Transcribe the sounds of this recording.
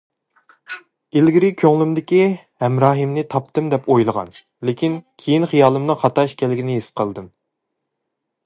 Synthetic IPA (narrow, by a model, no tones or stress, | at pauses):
elɡʲiɾɪkʲʰøŋlymd̪ɪkʲi | hɛmɾɑːɦɨmnɪt̪ʰɑp̚t̪ɨmd̪ɛpʰojlˠəʁɑ̰n | lekʲinkʲʰejinχijɑːlˠɨmnɨχɑt̪ɑʃkʲʰɛlɪɡʲinɪɦesqʰəlˠɨd̪ɨm